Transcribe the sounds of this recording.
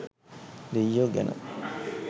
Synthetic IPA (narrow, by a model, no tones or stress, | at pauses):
lijːoɡɛ̰nə̰